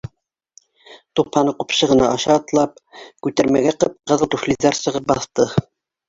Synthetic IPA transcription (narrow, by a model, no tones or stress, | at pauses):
t̪uphɑnɤqupɕɤ̆ʁɤ̆nɑʔɑɕɑːt̪lˠɑp̚kʉt̪æɾmæɡæqɤp̚qɤ̆ðɤlˠt̪uflʲizɑɾsɤ̆ʁɤp̚bɑθt̪ɤ